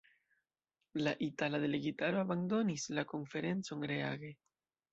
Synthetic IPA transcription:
laʔitalad̪e̞leɡitaɾoabando̞nislako̞nfe̞ɾe̞nt͡so̞nɾeaɡe̞

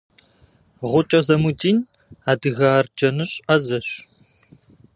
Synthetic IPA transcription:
ʁʷʊt͡ʃʼɐzɐmutʰʼiːn | aːdɨɣaːrd͡ʒɐnɨɕʼɐzɐɕ

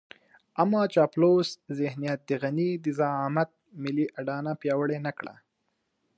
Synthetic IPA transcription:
amːɑːt͡ʃɑploszɪhnijat̪̚d̪əɣanid̪əzɑɑmat̪̚mɪliʔaɖɑnapjɑwəɽenakɽa̰

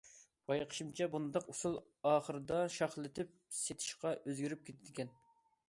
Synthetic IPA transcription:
bɑjqʰə̥ʃimt͡ʃʰɛbunɨd̪ɑqusulˠ | ɑːχəɾɨd̪ɑʃɑχlˠɪt̪ʰɪp̚set̪ʰɪ̥ʃqɑʔøzɡʲyɾyp̚kʲʰet̪ʰɪd̪ɪkʲʰɛn

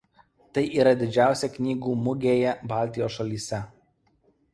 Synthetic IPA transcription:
t̪ɐɪʔiːɾɐd̪ʲɪd͡ʒʲæˑʊsʲɛknʲiːɡuːmʊɡʲeːjɛbɑːˑlʲt̪ʲɪjoːsʃɐlʲiːsʲɛ

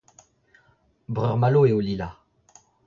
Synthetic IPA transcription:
bʁœʁmaloeolila

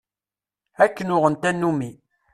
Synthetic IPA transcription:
ækːənʊʁənt̪ænːumi

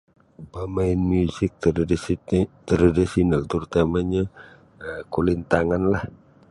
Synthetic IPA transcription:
bamaɪnmusɪk̚t | t̪ɾadisionalt̪uɾt̪amaɲa | əkulint̪aŋanlah

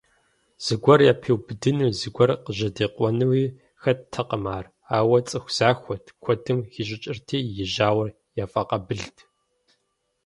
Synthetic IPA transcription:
z̥ɨɡʷɐrjaːpʰeːwbɨdɨnuːzɨɡʷɔrqəʑɐdeːqʷɔnɨwiː | xɐttʰɐqəmaːr | aːwɐt͡sʼɨxʷz̥aːxʷɔtʰkʷʰɔdɨmxiʑʼɪt͡ʃʼɪrtʰiːjɪʑaːwɐr | jaːfaqɐbɨɮtʰ

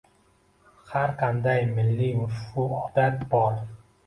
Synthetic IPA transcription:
haɾqʰand̪ajmɪlːɪmʊfuɒd̪at̪̚bɒɾ

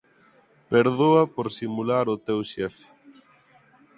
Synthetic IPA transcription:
peɾðoapoɾsimulaɾʊt̪ewʃɛf

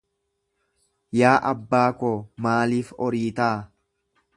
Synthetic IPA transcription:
jaːʔɐbːaːkoːmaːliːfɔɾiːt̪aː

